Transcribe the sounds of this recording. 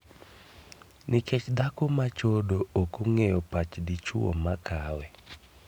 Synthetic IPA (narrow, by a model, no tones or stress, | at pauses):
nɪket͡ʃd̪akomat͡ʃodookoŋejopat͡ʃdit͡ʃwo̰makʰawɛ